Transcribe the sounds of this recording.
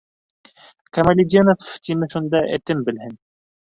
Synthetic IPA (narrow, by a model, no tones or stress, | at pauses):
kamalʲid̪ʲenoft̪imɘʃund̪ɑʔḛt̪ɘmbɘ̆lɦɘn